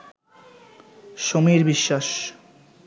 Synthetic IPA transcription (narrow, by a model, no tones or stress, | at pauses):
ʃomiɾbiʃːaʃ